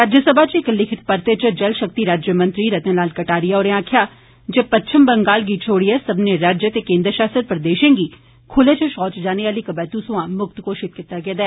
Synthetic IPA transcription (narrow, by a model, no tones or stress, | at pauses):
ɾaːd͡ʒjəsəbʱaːt͡ʃɪklɪkʰɪt̪pəɾt̪eːt͡ʃəd͡ʒəlʃək̚t̪iːɾaːd͡ʒjəmə̃nt̪ɾiːɾət̪ẽːlaːlkəʈaːɾijaːɔːɾẽãːkʰjaː | d͡ʒeːpətːt͡ʃʰəmbəŋɡaːlɡiːt͡ʃʰoːɽiɛːsəbneɾaːd͡ʒjət̪eːkẽːnd̪ɾʃaːst̪ɾət̪̚pɾəd̪eːʃẽːɡiː | kʰʊleːt͡ʃəʃɔːt͡ʃd͡ʒaːneaːliːkəbɛːt̪usʊãːmʊk̚t̪koːʃɪt̪̚kɪt̪ːaːɡɛːd̪ɛː